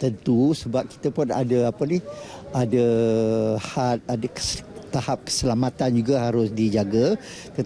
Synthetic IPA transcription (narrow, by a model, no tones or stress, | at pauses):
t̪ənt̪usəbap̚ki̥t̪əpʊna̰dəapənɪ | adə | hat̪̚adəkt̪ahap̚kə̥səlamat̪and͡ʒuɡaɦaɾʊsdid͡ʒaɡa | t̪ə